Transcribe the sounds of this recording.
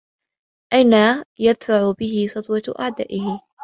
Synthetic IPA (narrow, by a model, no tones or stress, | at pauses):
ʔajnajad̪faʕʊbɪɦɪsˤɑt̪ˤwɑʔa̰ʕd̪a̰ːʔɪhɪ